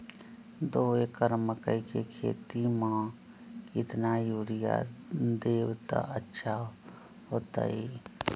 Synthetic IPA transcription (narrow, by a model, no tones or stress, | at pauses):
d̪oːekəɾməkəikekʰḛːt̪imãː | kɪt̪najuːɽija̰d̪eːwt̪a̰ʔətːʃʰa | ɦoːt̪a̰iː